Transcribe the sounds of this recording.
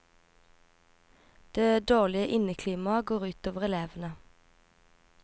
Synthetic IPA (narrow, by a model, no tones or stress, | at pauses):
d̪̥eːd̪oːʁlɪəʔɪnəkʰliːmɑɡoːʁʉːt̪oːʋəʁɛleːʋənə